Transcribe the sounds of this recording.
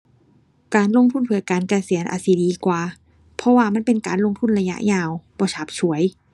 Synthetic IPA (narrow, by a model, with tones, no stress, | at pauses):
kaː˨˧nlo˧ŋt̪ʰu˥˩˨npʰɯ˨˩˦jkaː˨˧nka˧si˨˩˦ənʔa̰ː˧˩si˧˦diː˨˧kwaː˨˩ | pʰɔ˧waː˧˩ma˧˥˨npe˧nkaː˨nlo˧ŋt̪ʰu˧˥˩nɾa˧ja̰˧˥ʔjaː˧˩wbɔː˧˦t͡ɕʰa˦˩p̚t͡ɕʰu˩˦əj